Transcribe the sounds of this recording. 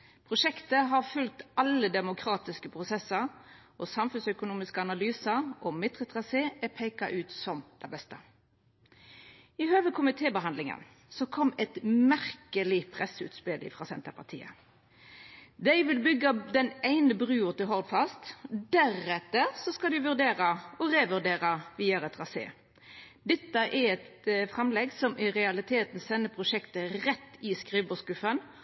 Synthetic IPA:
pʰʁʊʃɛkt̪əɦɑʁfʉlt̪ɑlːəd̪ɛmʊkʰʁɑːt̪ɪskəpʰʁʊsɛsəɾ | ɔsɑmfʉnsœkʊnuːmɪskəɑnɑlyːsəɾʔɔmɪd̪ʁət̪ʁɑseːɛpʰɛɪkɑʔʉːt̪sɔmd̪̥ɛbɛst̪ə | ɪhøːʋəkʰʊmɪt̪ʰeːbəɦɑnd̪lɪŋə̰n | sɔkʰɔmːɛt̪mæʁkəlɪpʰʁɛsʉ̰ːt̪spɪlɪ̰fʁɑːsɛ̰nt̪əpʰɑt̪ʰḭːə̰ | d̪æɪʋɪlbʏɡːəd̪ɛnæɪnəbʁʉːʊt̪ɪɦɔʁd̪fɑst̪d̪æʁɛt̪əɾsɔskɑd̪ʉʋʉʁd̪eːʁɑɔɾeːʋʉʁd̪eːɾəʋiːɑɾɛt̪ʁɑsḛː | d̪ɛt̪ːəʔɛɛt̪fʁɛmlɛɡsɔmʔɪʁɛɑlɪt̪ʰeːt̪n̩sɛnːəpʰʁʊʃɛkt̪əʁɛt̪ːɪskʁiːbɔskʉfən

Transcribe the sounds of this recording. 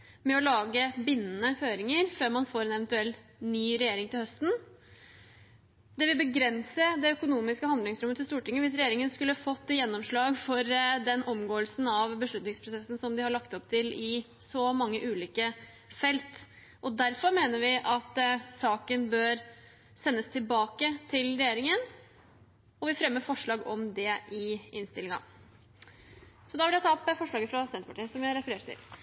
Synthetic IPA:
mɛɔlɑːɡəbɪnːənəføːɾɪŋəɾføːɾmɑnfoːɾɛnɛʋənt̪ʉɛl | nyːɾɛjeːɾɪŋt̪ɪlhœst̪n̩ | d̪ɛʋɪlbəɡɾɛnsəd̪ɛœkʊnuːmɪskəhɑnd̪lɪŋsɾʊmːət̪ʰɪlst̪uːʈɪŋːəʋɪs̬ɾɛjeːɾɪŋənskʉlːəɑfɔt̪ːjɛnːɔmʂɭɑːɡfɔɾd̪ɛnɔmɡoːəlsn̩ɑʋbəʂɭʉt̪nɪŋspʰɾʊsɛsːn̩sɔmd̪ɪhɑɾɭɑkt̪ɔpt̪ʰɪlɪ | sɔmɑŋːəʔʉːliːkə | fɛlt̪ | ʔɔd̪æɾfɔɾmeːnəɾʋɪʔɑt̪sɑːkənbøːɾ | sɛnːəst̪ʰɪlbɑːkət̪ʰɪlɾɛjeːɾɪŋən | ɔʋɪfɾɛmːəfɔʂɭɑːɡɔmd̪ɛɪʔɪnst̪ɪlɪŋɑ̰ | sɔd̪ɑʋɪljæɪt̪ʰɑːɔpəfɔʂɭɑːɡəfɾɑsɛnt̪pɑʈiːəsɔmjæhɑɾɛfəɾeːʈ̪ʰɪ̰l

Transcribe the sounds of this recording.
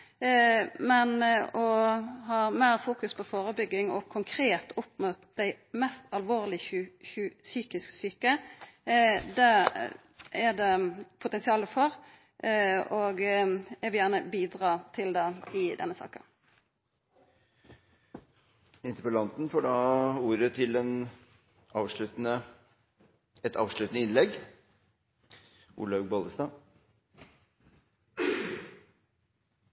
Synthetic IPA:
mɛnɔɦɑːmeːʁfuːkʉspʰɔfoːʁəbʏɡːɪŋɔ̰kʰʊŋkʰɾeːt̪ʰʊpmot̪d̪æɪ | mɛst̪ɑlʋoːʁlɪçʉsyːkɪsksyːkə | d̪ɛ | ɛd̪ɛpʰʊt̪ɛnsɪɑːləfɔɾ | ɔɡɛʋjæːʁnəbiːd̪ʁɑːt̪ʰɪld̪ɛɪd̪ɛ̰nːəsɑ̰ːkə | ɪnt̪əpɔlɑnt̪nfɔɖɑːuːɾət̪ʰɪlɛn | ɑːʋʂɭʉt̪nə | ɛt̪ʰɑ̰ːʋʂɭʉːt̪ənəɪnlɛɡ | ʔṵːlɑɡbɑːləst̪ɑː

